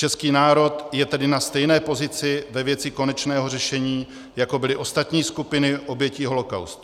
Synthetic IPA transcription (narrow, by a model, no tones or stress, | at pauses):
t͡ʃɛskiːnaːɾo̞t̪jɛt̪ɛdɪnast̪ɛjnɛːpo̞zɪt͡sɪvɛvjɛt͡sɪko̞nɛt͡ʃnɛːɦo̞rɛʃɛɲiː | jako̞bɪlɪʔo̞st̪at̪ɲiːskupɪnɪʔo̞bjɛciɦo̞lo̞ka̰wst̪